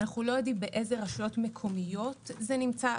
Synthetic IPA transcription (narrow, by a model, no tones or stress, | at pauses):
naχulojod̪imbeʔezeʁaʃujo̞tmekʰo̞mijo̞t̪zenimt͡sa